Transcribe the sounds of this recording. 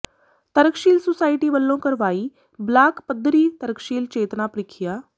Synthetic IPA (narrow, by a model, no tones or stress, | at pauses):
t̪əɾəkʃiːlsosaːɪʈiːʋəlːõːkəɾʋaːiː | blaːkpəd̪ʱːɾiːt̪əɾəkʃiːlt͡ʃeːt̪napɾɪkʰɪjaː